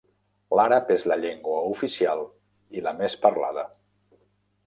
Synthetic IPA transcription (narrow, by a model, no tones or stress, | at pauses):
laɾəpezləʎeŋɡwəufisialˠ | iləmespəɾla̰ðə